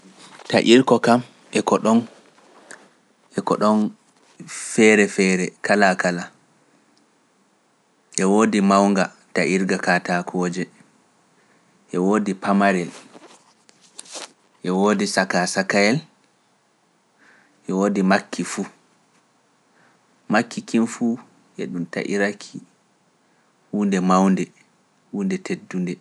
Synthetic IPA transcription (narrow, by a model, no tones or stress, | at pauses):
taʔiɾkɔkam | ʔɛkɔɗɔn | ʔɛkɔ̰ɗɔn | fɛɾɛfɛɾɛkʰalakala | ʔɛwoːdimawŋɡa | taʔiɾɡakatakʰɔd͡ʒɛ | ʔɛwoːdipamaɾɛl | ʔɛwoːdisakasakajɛl | ʔɛwoːdimakʰːifu | makːikinfuː | ʔɛ̰ɗumta̰ʔḭɾakʰi | huːndɛmawndɛ | huːndɛtʰedːundɛ